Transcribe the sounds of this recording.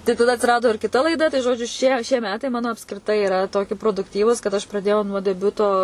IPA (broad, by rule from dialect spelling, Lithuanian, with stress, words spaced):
tɐɪ tɐˈdɐ ɐtʲsʲɪˈrɑːdoː ɪr kʲɪˈtɐ lˠɐɪˈdɐ tɐɪ ˈʒoːd͡ʒʲʊ ʃʲiɛ ʃʲiɛ ˈmʲæːtɐɪ ˈmɑːnoː ɐpskrʲɪˈtɐɪ ɪˈrɐ ˈtoːkʲɪ proːdʊkˈtʲiːʋuːs kɐt ˈɐʃ prɐˈdʲeːjɛʊ nuɔ dʲɛˈbʲʊtoː